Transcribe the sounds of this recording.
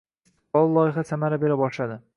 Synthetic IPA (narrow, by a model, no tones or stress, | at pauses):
st̪ʰɨ̥q̚bɒlˠlˠɒjɪχasamaɾabeɾabɒʃlad̪ɪ